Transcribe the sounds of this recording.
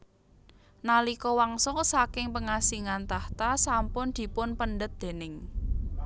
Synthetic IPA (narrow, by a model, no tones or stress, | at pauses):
nalikɔwaŋsɔsakɪŋpəŋasiŋant̪aht̪asampʊnd̪̥i̤pʊnpəɳɖət̪̚d̪̥e̤nɪŋ